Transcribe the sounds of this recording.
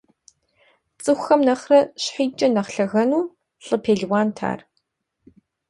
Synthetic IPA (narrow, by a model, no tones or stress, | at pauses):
t͡sʼɨxʷxɐmnɐχrɐɕħiːt͡ʃʼɐnɐχɬɐɣɐnuː | ɬʼɨpʰeːɮwaːntʰa̰ːr